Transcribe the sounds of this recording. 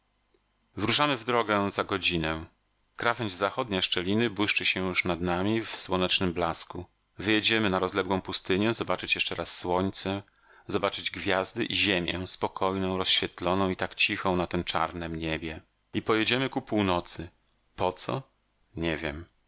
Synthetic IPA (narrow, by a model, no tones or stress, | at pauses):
vɾuʂamɘvd̪ɾɔɡɛzaɡɔd͡ʑinɛ | kɾavɛɲd͡ʑzaxɔd̪̚ɲaʂt͡ʂɛlʲinɘbwɘʂt͡ʂɘɕɛjuʂnad̪namʲifswɔnɛt͡ʂnɘmblasku | vɘjɛd͡ʑɛmɘnaɾɔzlɛɡwɔ̃w̃pust̪ɘɲɛzɔbat͡ʂɘt͡ɕjɛʂt͡ʂɛɾasːwɔɲt̪sɛ | zɔbat͡ʂɘd͡ʑɡvʲjazd̪ɘʔiʑemʲjɛ̰spɔkʰɔjnɔ̃w̃ɾɔsɕfʲjɛt̪lɔnɔ̃w̃it̪akt͡ɕixɔ̃nat̪ɛmt͡ʂa̰ɾnɛmɲebʲjɛ | ipɔjɛd͡ʑɛmɘkupuwnɔt̪sɘ | pɔt̪sɔ̰ | ɲɛvʲjɛm